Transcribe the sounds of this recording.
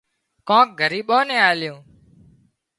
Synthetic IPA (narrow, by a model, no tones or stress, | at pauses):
kõːk̚ɡʱəɾiːɓõːnɛ̃ːaːljõː